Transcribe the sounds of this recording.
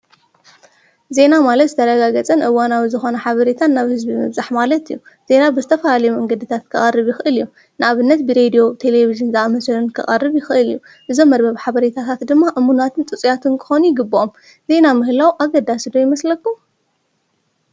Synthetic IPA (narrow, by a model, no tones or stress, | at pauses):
ze̞namalɐt̪zɨt̪ʰɐɾɐɡaɡɐt͡sʼɐnʔɨwanawizɨxo̞nɐħaβɐɾet̪ʰanːaβhɨzbimɨβzaħmalɐt̪ijːu | z̥e̞nabɨzɨt̪ʰɐfɐlalɐjumɐŋɡɐd̪ɨt̪ʰat̪kʰɨxʼɐrɨβjɪxɨʔɨlɨjːu | nɨʔaβɨnːɐt̪̚bɨɾe̞d̪ijo̞t̪ʰe̞le̞βiʒɨnzɐʔamɐslɨnkʰɨχʼɐ̰rːɨβjɪxɨʔɨlɨ̰jːu | ʔɨzo̞mːɐɾbɐβħaβɐɾet̪ʰat̪ʰat̪d̪ɨmːaʔɨmːunat̪ʰɨnt̪ʼɨt͡sʼijat̪ʰɨnkʰɨ̥xonujɪɡɨbːɨʔom | z̥e̞namɨhlawʔaɡɐd̪asd̪o̞jɪmɐslɐkːu